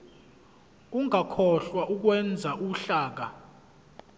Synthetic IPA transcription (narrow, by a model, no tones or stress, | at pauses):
uŋʱakʰɔɬwaʔuk̬wɛnd͡zʱaʔuɬaːk̬a